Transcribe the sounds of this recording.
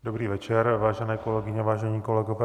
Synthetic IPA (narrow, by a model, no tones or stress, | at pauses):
dobɾiːvɛt͡ʃɛɾvaːʒɛnɛːko̞lɛɡɪɲɛavaːʒɛɲiːko̞lɛɡovɛː